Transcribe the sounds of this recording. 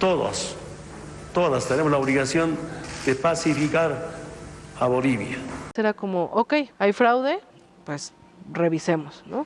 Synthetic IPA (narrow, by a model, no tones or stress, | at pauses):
t̪oða̰s | t̪oðast̪enemozlaoβliɣasjond̪̥epasifikaɾ | aβo̞liβja̰seɾakomoʔoke̞jajfɾawðe | pwes | reβisemosno